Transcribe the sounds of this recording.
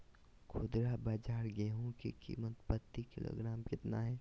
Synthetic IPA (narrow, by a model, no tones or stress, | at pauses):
kʰʊd̪ɾabaːd͡ʒaːɾɡeɦõkḛkḭːmət̪pət̪ːikɪlo̰ːɡɾaːmkɪt̪na̰ɦɛː